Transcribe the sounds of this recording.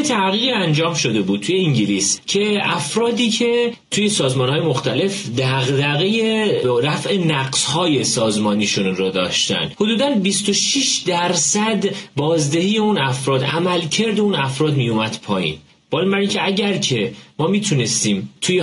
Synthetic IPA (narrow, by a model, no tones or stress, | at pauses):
et̪ʰæʁiːʁiænd͡ʒɒːmʃo̞d̪e̞buːd̪̚t̪ʰuje̞iɲɟiliscʰe̞ʔæfɾɒːd̪iːcʰe̞ | t̪ʰuːje̞sɒːzmɒːnhɒːje̞moxt̪æle̞f | d̪æɣd̪æɣejeɾæfe̞næɢshɒːje̞sɒːzmɒːniʃunɾɔd̪ɒ̰ːʃt̪æ̰nhod̪uːd̪ænbist̪o̞ʃiʃd̪æɾsæd̪bɒːzd̪e̞hiːjeunæfɾɒːd̪ʔæmælcʰeɾd̪eunæfɾɒːd̪mijumæd̪̥pʰɒːjḭːn | b̥ɒːlimbæɾiːncʰeæɟæɾcʰe̞mɒːmiːt̪ʰune̞st̪iːmt̪ʰuje